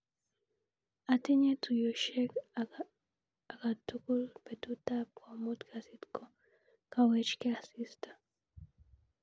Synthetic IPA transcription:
atiɲet̪ujoʃɛk | akatukulpetutapkomut̪kʰasitko | kawɛt͡ʃkeasistḁ

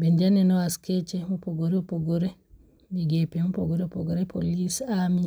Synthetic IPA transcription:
bɛnd͡ʒanɛnɔwaskɛt͡ʃɛmɔpɔɡɔɾɛpɔɡɔɾɛ | biɡɛpɛmɔpɔɡɔɾɛpɔɡɔɾɛpʰolisami

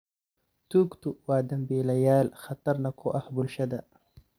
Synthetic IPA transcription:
t̪ukt̪uwaːd̪ɐmbeːlɐjaːlxɐt̪ɐɾnɐkʰoʔɐhbulɕɐd̪a̰

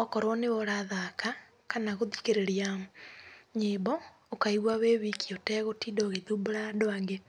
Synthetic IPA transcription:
ɔkɔɾwɔneɔɾaðaka | kanaɣoðikeɾeɾija | ɲebɔ | okaiɣwaweβikiɔtɛːɣotiːdɔːɣeðuboɾadoaŋɡe

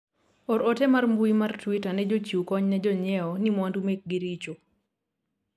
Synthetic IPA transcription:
ɔɾɔtɛmarmbuimartwitanɛd͡ʒot͡ʃukɔɲnɛd͡ʒɔɲɛɔnimwandumek̚ɡiɾit͡ʃo

